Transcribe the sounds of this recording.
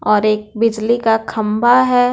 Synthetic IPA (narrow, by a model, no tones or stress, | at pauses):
ɔːɾeːk̚bɪd͡ʒlikakʰɐmbʱaɦɛ